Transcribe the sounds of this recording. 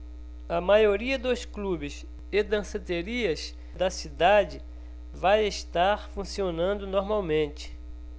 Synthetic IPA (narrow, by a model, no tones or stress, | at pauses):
ɐmajoɾiɐd̪osklubɪs | ed̪ɐ̃set̪eɾiɐs | d̪ɐsid̪ad͡ʒɪ | vajeʃt̪aɾfũsionɐ̃nd̪ʊnoɾmawmẽnt͡ʃɪ̥